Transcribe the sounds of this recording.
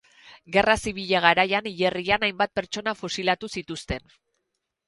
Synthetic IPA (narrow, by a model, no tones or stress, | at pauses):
ɡe̞rasiβ̞iʎeɣ̞aɾajaniʎe̞rianajmbat̪̚pe̞ɾt͡ʃo̞nafosilat̪usit̪ust̪e̞n